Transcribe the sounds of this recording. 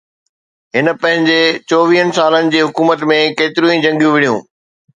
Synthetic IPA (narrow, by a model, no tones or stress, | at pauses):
ɦɪnə̆pɐ̃ɦɪ̃ɲd͡ʑet͡ɕoːʋiɦənɪ̆saːlənɪ̆d͡ʑeːɦʊkuːmət̪mẽkeːt̪ɪɾjũĩd͡ʑɐ̃ŋɡjũʋɪɽijũː